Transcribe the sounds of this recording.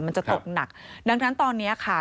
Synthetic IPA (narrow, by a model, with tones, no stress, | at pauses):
ma˧nt͡ɕa˨˩t̪o˨˩k̚na˨˩k̚daː˧ŋnʰa˦˥nt̪ɔː˧nːi˦˥ɐkʰa˥˩